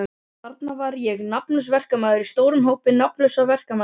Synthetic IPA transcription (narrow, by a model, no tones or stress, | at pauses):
aɾt̪navaɾjɛɣnapnlœsvɛr̥kamaːðʏɾist̪oːwɾʏmɦowpɪnapnlœsavɛr̥kama